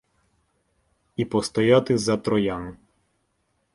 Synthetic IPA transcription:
ipɔst̪ɔjat̪ɪzɐt̪ɾɔjan

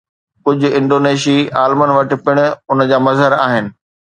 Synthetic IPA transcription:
kʊd͡ʑʱʊ̆ɪ̃ɳɖoːneːʃiaːlmənʋɐʈɪ̆pɪɽ̃ʊ̆ʊnəd͡ʑaːmɐzɦəɾaːɦɪnɪ̆

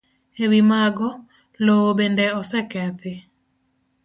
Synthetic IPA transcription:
ewimaɡɔ | loobendɛɔsɛkɛt̪ɪ

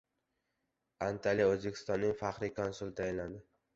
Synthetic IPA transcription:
ant̪ʰalijaɵzbekʲʰɪst̪ɒnːɪŋfaχɾɪkʰɒnsʊlˠt̪ʰajɪnland̪ɪ

